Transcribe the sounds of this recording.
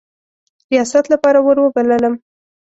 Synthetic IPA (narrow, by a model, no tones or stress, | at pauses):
ɾijɑsat̪lapɑɾawəɾwəbalələm